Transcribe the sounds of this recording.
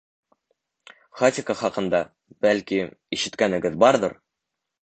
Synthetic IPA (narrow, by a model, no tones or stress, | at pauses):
χot̪ʲɪkəχɒqɤ̆nd̪ɑ | b̥ælkiiʃɘ̆t̪kænɘ̆ɡɘðbɑɾd̪ɤɾ